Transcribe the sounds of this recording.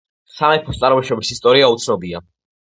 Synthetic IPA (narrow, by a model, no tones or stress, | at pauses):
samɛpʰɔst̪sʼaɾmɔʃɾɔbisist̪ʼɔɾiaut̪sʰnɔbia